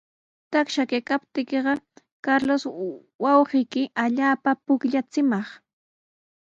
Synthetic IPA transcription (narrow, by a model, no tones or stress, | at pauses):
t̪akʃakajkapt̪ɪkeɢɑ | kaɾlos | wɑwɢijkɪʔaʎaːpapʊkʎat͡sɪmɑχ